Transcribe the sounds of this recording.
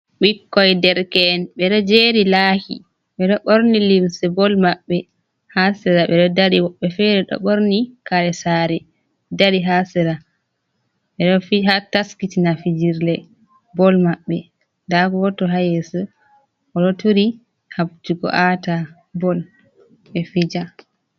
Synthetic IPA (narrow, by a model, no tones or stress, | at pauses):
ɓikːɔjdɛɾkɛnɓɛɗɔd͡ʒeɾilaːkḭ | ɓɛɗɔɓoɾnilimsɛbɔlmaɓːɛ | hasɛɾaɓɛɗɔdaɾiwɔɓːɛfɛɾɛɗɔ̰ɓoɾnikaɾɛsaɾɛ | dadiɦasɛɾa | ɓɛɗɔfihataskitinafid͡ʒiɾlɛ | bɔlmaɓːɛ | dakɔwɔtɔɦajɛsɛ | ʔɔɗɔtuɾi | hab̚d͡ʒuɡɔ̰ʔata | bɔl | ɓɛfid͡ʒa